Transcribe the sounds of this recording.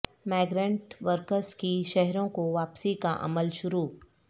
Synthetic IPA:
maːɡɾẽɳʈʋəɾkəɾskiʃɛɦɾõkoʋaːpsikaʔɐ̰məlʃʊɾuː

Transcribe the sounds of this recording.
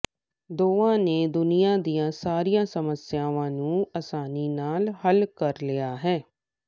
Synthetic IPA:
d̪oːãːneːd̪ʊnijaːd̪ijãːsaːɾijãːsəməsjãːʋãːnũːəsaːniːnaːlhəlkəɾlɪjaːɦɛː

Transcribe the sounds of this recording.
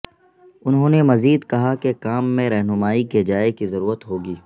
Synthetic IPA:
ʊnɦõːnemɐziːd̪kɐɦakekaːmːẽɾɛɦnʊmaːiked͡ʒaːekizɐɾuːɾət̪ɦoːɡiː

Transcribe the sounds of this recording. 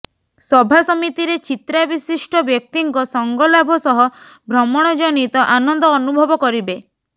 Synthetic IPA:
sɔbʱasɔmit̪iɾet͡ʃit̪ɾabisisʈɔbjɔk̚t̪iŋkɔsɔŋɡɔlabʱɔsɔɦɔ | bʱɾɔmɔɽ̃ɔd͡ʒɔnit̪ɔʔanɔnd̪ɔːnubʱɔbɔkɔɾibe

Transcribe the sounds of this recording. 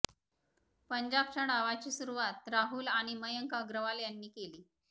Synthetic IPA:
pəɲd͡ʑab̚t͡ɕəɽ̃aʋat͡ɕiːsuɾuʋat̪ɾaɦuːlaɽ̃iməjəŋkaəɡɾəʋaljanːiːkeliː

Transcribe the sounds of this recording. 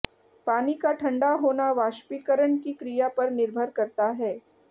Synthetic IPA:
paːnikaʈʰɐ̃ɳɖaɦoːnaʋaːʃpikəɾəɳkikɾijapɐɾnɪɾbʱəɾkɐɾt̪aɦɛː

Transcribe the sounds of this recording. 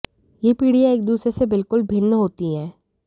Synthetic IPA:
jeːpiːɽijaeːk̚d̪uːsɾesebɪlkʊlbʱɪnːəɦoːt̪iɦɛː

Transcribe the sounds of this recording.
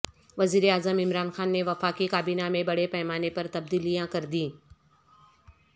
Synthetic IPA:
ʋɐziːɾeaːzəmɪmɾaːnxaːnːeʋɐfaːkikaːbiːnamẽbɐɽepɛːmaːnepɐɾt̪ɐb̚d̪iːlijãkɐɾd̪ĩː

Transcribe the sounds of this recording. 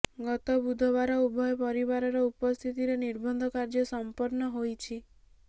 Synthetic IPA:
ɡɔt̪ɔbud̪ʱɔβaɾɔubʱɔjɔpɔɾiβaɾɔɾɔupɔst̪ʰit̪iɾeniɾbɔnd̪ʱɔkaɾd͡ʒɔsɔmpɔɾnɔɦojt͡ʃʰi

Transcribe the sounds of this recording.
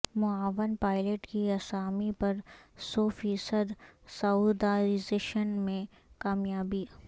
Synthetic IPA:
mʊaːʋənpaːɪleʈkiɐsaːmipɐɾsɔːfiːsəd̪saud̪aːɾɪzeːʃənmẽ | kaːmjaːbi

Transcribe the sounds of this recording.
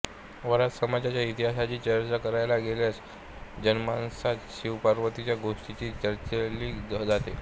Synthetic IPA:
ʋəɾat̪səmad͡ʑjat͡ɕjait̪iɦasat͡ɕiːt͡ɕəɾt͡ɕakəɾajlaɡeljas | d͡ʑənmansat̪ɕiwpaɾʋət̪it͡ɕjaɡoʂʈit͡ɕiːt͡ɕəɾt͡ɕeliːd͡zat̪e

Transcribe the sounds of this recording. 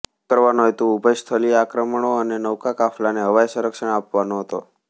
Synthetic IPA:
kəɾʋanoɦet̪uupəjst̪ʰəliakɾəməɳoənenəwkakafʰlaneɦəʋajsəɾəkʃəɳapʋanoɦət̪o

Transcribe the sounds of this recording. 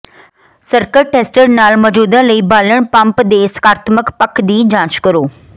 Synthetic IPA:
səɾkəɾʈeːsʈəɾnaːlmɔːd͡ʒuːd̪ə̃ləiːbaːləɽ̃pɐ̃mpd̪eːsə̥kaːɾt̪məkpəkd̪iːd͡ʒãːt͡ʃkəɾoː

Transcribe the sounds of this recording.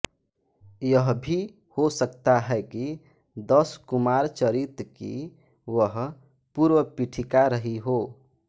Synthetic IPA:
jəɦbʱi | hosəkt̪aɦɛki | d̪əskumaɾt͡ʃəɾit̪kḭ | wəɦ | puɾʋəpiʈʰikaɾəɦiɦo

